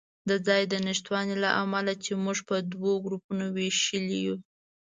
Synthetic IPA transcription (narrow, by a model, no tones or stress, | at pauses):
d̪əd͡zɑjd̪ənɪʃt̪wɑnilaʔamalat͡ʃemuʐpəd̪woɡɾupunoweʃəliju